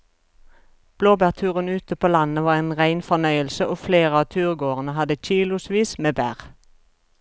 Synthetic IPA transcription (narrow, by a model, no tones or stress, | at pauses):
b̥loːbæʁt̪ʰʉːʁənʉːt̪əpʰoːlɑnəʋɑːʁeːnʁæɪnfɔnœʏəlsəʔoːfleːʁəɑːt̪ʰʉːʁɡoːʁənəhɑd̪əc͡çiːlʊsʋiːsmeːbæ̰ːʁ